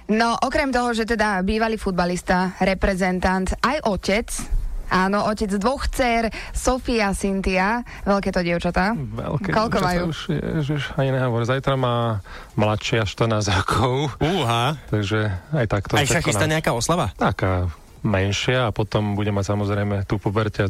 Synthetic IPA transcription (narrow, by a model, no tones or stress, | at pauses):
nɔʔɔkɾɛmt̪ɔɦɔʒɛt̪ɛd̪abiːʋaliːfud̪̚balist̪aɾɛpɾɛzɛnt̪ant̪ajʔɔcɛt͡sʔaːnɔʔɔcɛd͡zd̪ʋɔxt͡sɛɾsɔfiasint̪ia | ʋɛlkɛːt̪ɔɟɪɛʊt͡ʃat̪aːʋɛ̰lkɛkɔlkɔʋajuuʃjɛ̰ʒiʃaɲinɛɦɔʋɔɾzajt̪ɾamaː | mlatʃɪaʃt̪əɾnaːzɾɔkʰɔʊuɦat̪aɡʒɛajt̪akt̪ɔaʃakist̪aɲɛakaːɔslaʋat̪akaː | mɛnʃɪaːpɔt̪ɔmbuɟɛmacsamɔzɾɛjmɛt̪upubɛɾcɛa